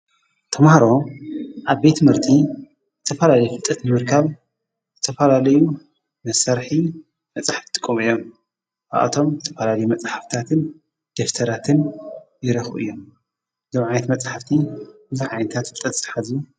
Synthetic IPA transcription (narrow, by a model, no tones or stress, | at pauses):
t̪ʰɐmhaɾo̞ʔaβbe̞t̪ːmɨɾt̪ʰi | zɨt̪ʰɐfɐlalɐjufɨlt̪ʼːɐt̪nɨmɨɾkʰaβ | zɨt̪ʰɐfɐlalɐju | nɐsɐɾħi | mɐt͡sʼaħaft̪ʰɨkʼːomɨjːom | ba̰ʔa̰t̪ʰo̞mzɨt̪ʰɐ̥fɐlalɐjumɐt͡sʼaħaft̪ʰat̪ʰɨn | d̪̥eft̪ʰɐɾat̪ʰɨnjɪɾɐxṵʔɨ̰jːo̞m | zomʕajnɐt̪mɐt͡sʼaħaft̪ʰibɨzuħʕajnɨt̪ʰat̪t̪ʼɐt͡sʼːḁħazu